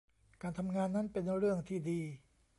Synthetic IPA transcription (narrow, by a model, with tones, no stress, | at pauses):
kaː˧nt̪ʰa˧mŋaː˧nːa˦˥˨npe˧nɾɯ˥˩əŋt̪ʰiː˥˩diː˧